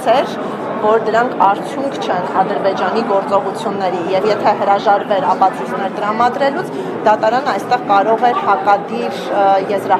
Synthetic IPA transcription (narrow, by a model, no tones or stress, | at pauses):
t͡sʰɛɾ | vɔɾd̪əɾɑŋkʰɑɾt͡sʰjuŋkʰt͡ʃʰɛnɑd̪əɾbɛd͡ʒɑniɡɔɾt͡sɔʁut͡sʰjunːɛɾijɛvjɛt̪ʰɛɦəɾɑʒɑɾvɛɾɑpɑt͡sʰut͡snɛɾt̪əɾɑmɑd̪ɾɛlut͡sʰ | d̪ɑt̪ɑɾɑnəɑjst̪ɛʁkɑɾɔʁɛɾhɑkɑd̪iɾjɛzɾɑ